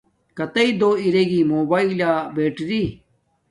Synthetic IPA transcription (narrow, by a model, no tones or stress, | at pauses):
kɐt̪ɐid̪oːiɾeːɡimoːbaːilaːbeːʈɾi